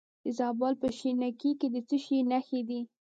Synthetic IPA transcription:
d̪əzɑbɑlpəʃinakiked̪ət͡səʃinaxed̪i

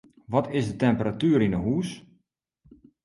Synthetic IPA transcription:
ʋɔtʰɪsdətɛmpəratyːɾinəɦuːs

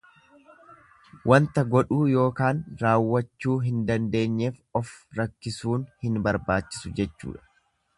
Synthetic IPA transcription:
wʔɐnt̪ɐɡɔᶑuːjo̞ːkaːnɾaːwːɐt͡ʃːuːɦɪnd̪ɐnd̪e̞ːɲːe̞ːfɔfɾɐkːɪsuːnhɪnbɐɾbaːt͡ʃːɪ̥sʊd͡ʒɛt͡ʃːṵːᶑɐ̥

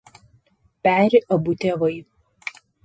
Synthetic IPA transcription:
pʲæːɾʲɪʔɐbut̪ʲɛʋɐɪ

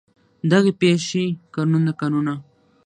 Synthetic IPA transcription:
d̪aɣepeʃekaɾnund̪akanuna

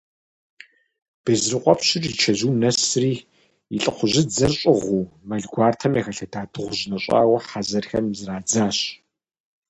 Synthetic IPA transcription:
b̥ɐzrɨqʷʼɔpɕɪrit͡ʃʰɐʑuːnɐsriː | iɬʼɨqʷʊʑɪd͡zɐrɕʼɪʁʷuːmɐɮɡʷaːrtʰɐmjexɐɬɐdaːdɨʁʷʊʑnɐɕʼa̰ːwɐħazɐrxɐ̰mzɨraːd͡zaːɕ

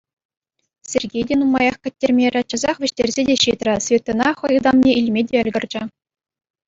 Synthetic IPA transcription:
sʲerʲɡʲejdʲenumɑjɑχkʲɘ̆t̚ʲːerʲmʲeɾʲɘ̆t͡ɕɤ̆zɑχʋʲɘ̆ɕtʲerʲzʲedʲeɕit̪rʲɘ̆sʲvʲet̪ːɤ̆nɑχɤ̆jɯd̪ɑmnʲeʔilʲmʲedʲeɘ̆lʲɡʲɘ̆rʲd͡ʑɘ̆

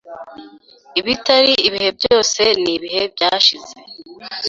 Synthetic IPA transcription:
iβitaɾiiβihe̞b̚ɟoːse̞niβiɦe̞bjaːʃize

